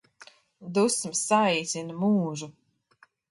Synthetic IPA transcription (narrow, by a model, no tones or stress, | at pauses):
d̪usmsaɛjt̪sinmuːʒu